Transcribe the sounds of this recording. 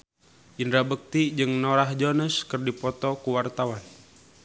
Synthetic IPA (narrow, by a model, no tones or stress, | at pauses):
ʔindɾabək̚t̪id͡ʒɨŋnɔɾaɦd͡ʒonəskərdipɔt̪ɔkuwart̪awan